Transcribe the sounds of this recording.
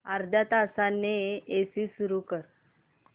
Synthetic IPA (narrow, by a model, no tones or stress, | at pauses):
aɾd̪ʱat̪asanːeesisuɾukəɾ